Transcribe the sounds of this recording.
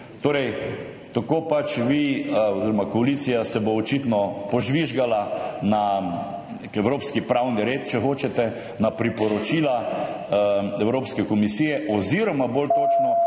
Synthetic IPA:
t̪oːɾɛj | t̪akopat͡ʃʋiɔziɾɔmakɔalit̪sijasɛboːt͡ʃit̪nɔpɔʒʋiʒɡalana | ɛwɾoːpskipɾawniɾeːt̪̚t͡ʃɛxoːt͡ʃɛt̪ɛ | napɾipɔɾɔt͡ʃiːla | ɛwɾoːpskɛkɔmisiːjɛʔɔziɾɔmabolt̪oːt͡ʃnɔ

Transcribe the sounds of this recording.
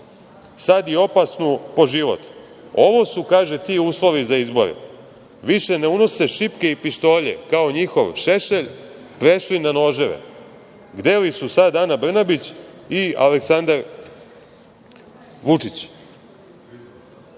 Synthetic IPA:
sad̪io̞pasnupo̞ʒiʋo̞̰t̪ | o̞ʋo̞sukaːʒet̪iːuːslˠo̞ʋizaizbo̞̰ɾḛ | ʋiʃe̞neuno̞seʃipke̞ipiʃt̪o̞ːʎḛkaoɲixo̞ʋʃe̞ʃeʎ | pɾe̞ʃlinano̞ːʒeʋḛ | ɡd̪e̞lisusad̪anabr̩nabit͡ɕ | ia̰leksand̪aɾ | ʋut͡ʂit͡ɕ

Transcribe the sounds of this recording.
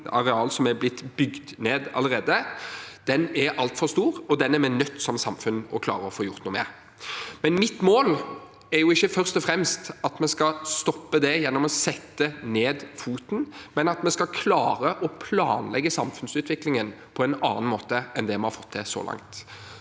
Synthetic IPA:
ɑɾɛɑːlsɔmɛɾblɪt̪ːbʏɡd̪neːd̪ɑ̰ləɾeːd̪əd̪̥ɛnɛɾɑlt̪fɔɾst̪uːɾɔd̪ɛnːæmɛnœt̪ːsɔmsɑmfʉnːɔkʰlɑ̰ːɾəɔfoːjʊʁt̪nuːmɛ̰ː | mɛnmɪt̪ːmoːl | ɛɾjʊɪçːəfœʁst̪ɔfɾɛmst̪ɑt̪mɛskɑst̪ɔpːəd̪ɛjɛnːɔmɔsɛt̪ːəneːd̪fuːt̪n̩mɛnɑt̪mɛskɑkʰlɑːɾəʔɔpʰlɑ̰ːnlɛɡːəsɑmfʉnsʉːt̪ʋɪklɪŋən | pʰɔɛnɑ̰ːnɑnmoːt̪əɛnd̪ɛmɛnhɑɾfɔ̥t̪ʰːd̪ɛsɔ̰lʔɑ̰ŋt̪

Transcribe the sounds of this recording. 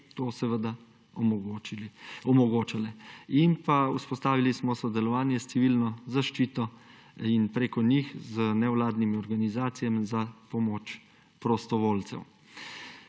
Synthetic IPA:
t̪oːsɛʋəd̪a | ɔɡo | ɔmɔɡoːt͡ʃalɛinpauspɔst̪aːʋilismɔsɔd̪ɛlɔʋaːnjɛst̪iʋilnɔzaʃt͡ʃiːt̪ɔ | inpɾeːkɔnixzənɛwlaːd̪nimiɔɾɡanizaːt̪sijɛmzapɔmoːt͡ʃ | pɾɔst̪ɔʋolt̪sɛ̰w

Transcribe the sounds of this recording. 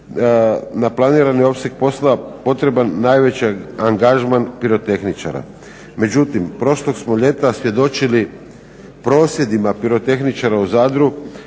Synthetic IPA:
naplˠaniːɾanio̞pse̞k̚po̞slapo̞t̪ɾe̞banːajʋe̞t͡ɕiaŋɡaʒmanpiɾo̞t̪e̞xnit͡ʃa̰ɾa̰ | me̞d͡ʑut̪impɾo̞ʃloɡsmoʎe̞t̪asʋje̞d̪o̞t͡ʃili | pɾo̞ːsje̞d̪imapiɾo̞t̪e̞xnit͡ʃaɾauzaːd̪ɾu

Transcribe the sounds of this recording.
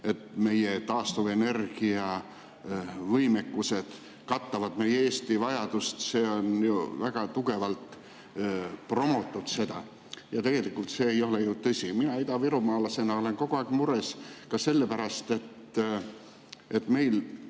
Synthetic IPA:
e̞t̪me̞jet̪ɑːst̪uve̞ne̞rɡ̥iɑ | vɤjme̞kːuse̞d̪̥ | kɑt̪ːɑvɑd̪me̞jeeːst̪ivɑjɑd̪̥ust̪se̞ːo̞njuvæɡ̥ɑt̪uɡe̞vɑlt̪ | pro̞mot̪ːˑud̪̥se̞d̪̥ɑ | jɑt̪e̞ɡ̥e̞likːˑult̪se̞ːjo̞lejut̪ɤsʲiminɑid̪ɑviɾumɑːlɑse̞nɑo̞le̞nko̞ɡ̥oɑːɡ̥muɾeskɑse̞lːepæɾɑst̪e̞t̪ː | e̞t̪ːme̞jl

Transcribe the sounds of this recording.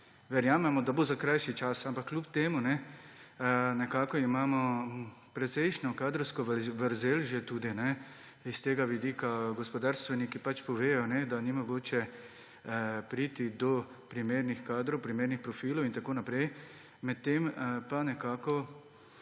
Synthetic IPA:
ʋɛɾjaːmɛmɔd̪abozakɾajʃit͡ʃasampakːlupt̪eːmunɛ | nɛkaːkɔimaːmɔpɾɛt̪sɛjʃnɔkaːd̪ɾɔwskɔʋʋəɾzeːlʒet̪uːd̪inɛ | ist̪eːɡaʋid̪iːkaɡɔspɔd̪aːɾst̪ʋɛnikipat͡ʃpɔʋeːjɔnɛd̪animɔɡoːt͡ʃɛ | pɾiːt̪id̪ɔ | pɾimeɾnixkaːd̪ɾowpɾimeːɾnixpɾɔfiːlɔwint̪akoːnapɾɛj | mɛt̪ːempanɛkaːkɔ

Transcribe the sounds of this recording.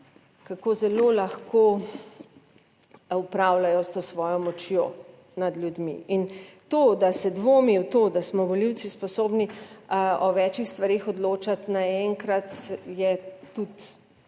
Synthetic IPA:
kakoːzɛlolaxko | upɾawlajɔst̪osʋɔːjɔmɔt͡ʃjoː | nad̪lʲjud̪mḭint̪od̪asɛd̪ʋoːmiwt̪oːd̪asmɔʋɔliw̪sispɔsoːbni | ɔʋɛt͡ʃixst̪ʋaɾexɔd̪loːt͡ʃat̪naɛŋkɾat̪jɛt̪ut̪

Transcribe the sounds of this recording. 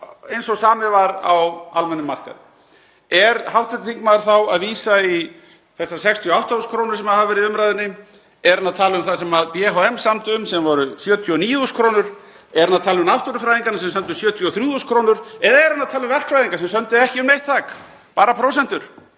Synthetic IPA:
ejnsɔɣsaːmɪvaɾa̰walmɛnːʏmːar̥ka̰ðɪ | ɛɾhawht̪vɛt̪ɪt̪iŋkmaɾ̥θawaðviːsai | θɛsːasɛkst̪ʰjiɔawht̪auskʰɾownʏɾ̥sɛmaðhavʏvɛɾɪðʏmɾajðɪnːɪ | ɛɾanːaðt̪ʰaːlʏʏmθaðs̬ɛmaðpjɛɦoɛmsamt̪ʏʏmsɛmvɔɾʏsjœːt̪ʰjɔɔniːuskʰɾownʏɾ̥ | ɛɾanːat̪ʰaːlmʏmnawht̪ɔɾʏfɾajðiŋkanasɛmsœnt̪ʏ̥sjœːt̪ʰjɔθɾjuːðuskʰɾoːwnʏɾɛðaɛɾanːat̪ʰaːlʏmvɛr̥kfɾajðiŋkasɛmsœnt̪ʏɛhcɪʏmnejht̪ʰːaːk | paːɾapʰɾowsɛnt̪ʏɾ̥

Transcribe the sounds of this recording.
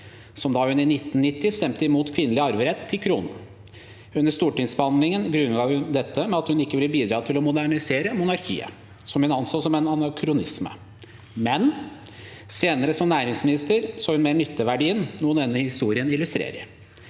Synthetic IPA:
sɔmd̪ɑːhʉnɪnɪt̪ːn̩nːɪt̪ːɪst̪ɛmt̪əɪmuːt̪kʰʋɪnəlɪɑɾʋəɾɛt̪ʰːɪlkʰɾuːnə | ʉnːəʂt̪uːʈɪŋsbəhɑnd̪lɪŋənɡɾʉnːɡɑːʋhʉnd̪ɛt̪ʰːəmɛɑt̪hʉnɪkːəʋɪlːəbiːd̪ɾɑːt̪ʰɪlɔmʊd̪æɳɪseːɾəmʊnɑɾkʰḭːə̰ | sɔmhʉnɑnsoːsɔmɛnɑnɑkʰɾʊnɪsmə̰ | mɛn | seːnəɾəsɔmnæːɾɪŋsmɪnɪst̪əɾsoːhʉnmeːɾɳʏt̪ːəʋæɖiːənnuːənɛːnːəhɪst̪uːɾɪənɪlʉst̪ɾḛːɾə̰ɾ

